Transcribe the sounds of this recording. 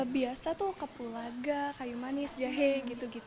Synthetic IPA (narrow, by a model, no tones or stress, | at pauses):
biasat̪ukəpulaɡakajumanɪsd͡ʒaɦɛɡit̪uɡit̪